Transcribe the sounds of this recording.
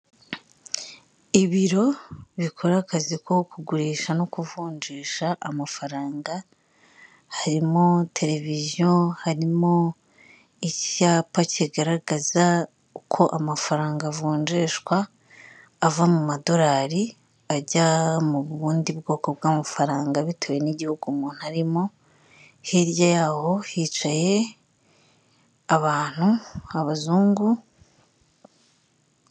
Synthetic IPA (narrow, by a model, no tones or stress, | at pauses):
iβiɾo̞βikʰo̞ɾakazikʰo̞kuɡuɾeːʃano̞kuvuːɲd͡ʒeːʃaʔːmafaɾaːŋɡa | haɾimo̞tʰe̞ɾe̞vizjohaɾimo̞ | icaːpaceɡaɾaɡaza | ukʰo̞ʔamafaɾaːŋɡavuːɲd͡ʒeʃkwaː | vamumadoɾaːɾi | aɟamuβuːndibɡo̞ːko̞b̚ɡaːmafaɾaːŋɡaβitʰoːje̞niɟihuɡumuːn̥uhaɾimo̞ | hiɾjajaːho̞hit͡ʃaje̞ | aβaːn̥huaβazuːŋɡu